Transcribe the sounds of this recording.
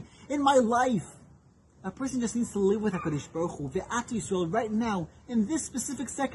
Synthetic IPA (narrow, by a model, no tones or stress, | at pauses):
ɨ̃nmaɪlaɪf | əpʰɜ˞sɨ̃n̩d͡ʒʌstnidz̥tʰəlɪvwɨðakɔɾɨʃb̥ɔɹχuviʔatəɨswɛlˠɹaɪtⁿnaʊɨ̃nðɪspɨsɪfɨksɛk